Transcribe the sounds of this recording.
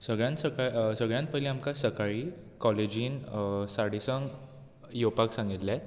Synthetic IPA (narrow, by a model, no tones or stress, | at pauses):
səɡɭjãnt̪səkasəɡɭjãnt̪̚pəiliamkasəkaɭiː | kɔled͡ʑiːnsaɽisəŋɡ | jopaksãŋɡit̪la